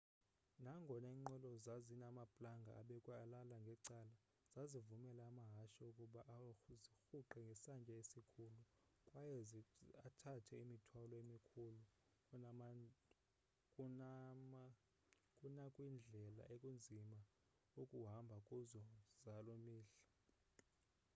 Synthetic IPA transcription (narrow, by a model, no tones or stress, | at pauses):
naŋɡʱɔnɛiŋ͡ǃɛlɔzazinamapʼlaŋɡʱa̰aɓɛkʼwaːlalaŋɡʱɛǀala | z̥azivumɛlaːmaɦaʃaukʼuɓaʔzixuǃɛŋɡʱɛsant͡ʃʼɛesikʰulu | kʼwajɛatʰatʰɛimitʰwalɔemikʰulu | kʼ | kʼunakʼwind͡ɮʱɛla̰ʔekʼund͡zʱima | okʼuɦambʱakʼuzɔzalomiːɬḁ